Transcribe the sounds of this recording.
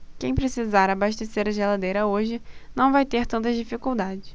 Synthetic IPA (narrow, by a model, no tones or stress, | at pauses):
kẽj̃pɾesizaɾabaʃt̪eseɾɐʒelad̪ejɾɐoʒɪnɐ̃w̃vajt̪eɾt̪ɐ̃nt̪ɐzd͡ʒifikuwd̪ad͡ʒɪs